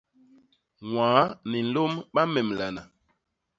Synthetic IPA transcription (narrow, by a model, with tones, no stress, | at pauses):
wwaː˨˦ni˨n̩˦lo˦mɓa˦mɛ˨m˨la˨na˨